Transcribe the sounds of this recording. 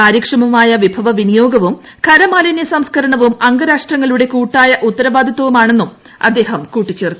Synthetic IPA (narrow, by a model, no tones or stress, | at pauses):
aːɾjɐkʂɐmɐmaːjɐʋibʱɐʋɐʋinijo̞ːɡɐʋum | kʰɐɾɐmaːlɐnjɐsɐmskɐɾɐɳɐʋumɐŋɡɐɾaːʂʈrɐŋːɐɭluɽe̞kuːʈːaːjɐʔut̪ːɐɾɐʋaːd̪ʱɐt̪ːɐʋumaːɳe̞nːum | ɐ̰d̪ːe̞ːɦɐmkuːʈːit͡ɕːe̞ːrt̪ːu